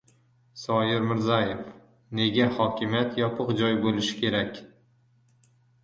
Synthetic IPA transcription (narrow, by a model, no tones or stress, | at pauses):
sɒjɪɾmɪɾzajef | ne̞ɡʲahɒkʲɪmjat̪jɒpʰɨqd͡ʒɒjbolɪʃɪ̥kʲʰe̞ɾakʲ